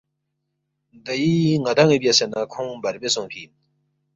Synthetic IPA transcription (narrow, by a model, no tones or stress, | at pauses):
d̪ajiŋad̪aŋipjasenakʰõŋbaɾbesõŋpʰin